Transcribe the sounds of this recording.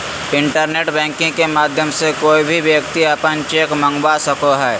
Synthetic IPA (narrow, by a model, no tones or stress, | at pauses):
ɪ̃ɳʈəɾneːʈbɛ̃ːŋkɪ̃ŋkemaːd̪ʱjəmsekoːibʱiʋjəkt̪iɐpənt͡ʃeːkmə̃ŋɡbasəkoɦɛː